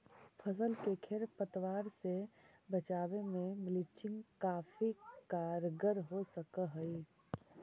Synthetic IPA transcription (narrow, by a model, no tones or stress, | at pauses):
pʰəsəlkekʰeɾpət̪waːɾsebət͡ʃaːwemẽmɪlɪt͡ʃɪ̃ŋɡkaːfikaːɾɡəɾɦosəkəɦəi